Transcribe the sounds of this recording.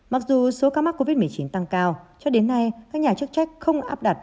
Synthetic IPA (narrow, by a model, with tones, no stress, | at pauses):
ma˨˩k̚zu˨˩so˨˦kaː˧˦ma˦˥ko˧vi˦˥t̚m˨˩əjt͡ɕi˨˦nt̪a˧ŋkaː˧wt͡ɕɔ˧ɗe˨˦nːa˧jkaː˦˥k̚ɲaː˨˩t͡ɕɨ˦˥k̚t͡ɕa˦˥jk̟̚xə˧wŋ͡mʔa̰ː˦˥p̚ɗa˨˩t̚